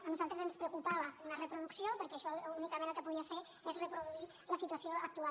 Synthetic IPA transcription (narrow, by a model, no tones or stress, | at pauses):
ənuzalˠt̪ɾəzənspɾəwkupaβəunərəpɾuðuksiopəɾkɛːʃɔunikəmẽnəlˠkəpuðiəfe | ezrəpɾuðui | ləsit̪uəsioək̚t̪ua